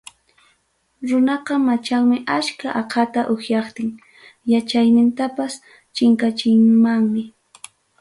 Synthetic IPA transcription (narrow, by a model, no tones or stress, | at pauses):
ɾʊnɑqɑmat͡ʃaŋmɪʔaʃkaʔɑqʰɑt̪aʔʊxjɑχt̪ɪŋ | jat͡ʃajnɪnt̪apas | t͡ʃɪŋkat͡ʃɪŋmaŋmɪ